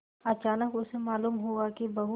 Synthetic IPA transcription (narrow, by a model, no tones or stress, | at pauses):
ɐt͡ʃaːnəkʊsemaːluːmɦuakibɐɦu